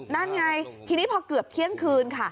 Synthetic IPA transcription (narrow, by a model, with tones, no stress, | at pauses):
na˥˩nŋa˧jt̪ʰiː˧niː˦˥pʰɔː˧kɯ˨˩əp̚kʰi˦˥˩əŋkʰɯː˧nkʰa˥˩